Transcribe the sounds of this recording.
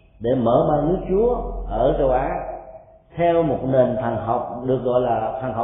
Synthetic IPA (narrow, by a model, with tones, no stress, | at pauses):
ɗe˧˩məː˧˩ɓaː˧nɨ˨˦ək̚t͡ɕu˨˦əʔəː˧˩t͡ɕə˨˩wʔaː˨˦ | t̪ʰɛ˧wmo˨˩t̚ne˨˩nt̪ʰa˨˩ŋɦa˨˩wk͡p̚ɗɨ˨˩ək̚ɣɔ̰˧˨jlaː˨˩t̪ʰa˨˩ŋɦa˨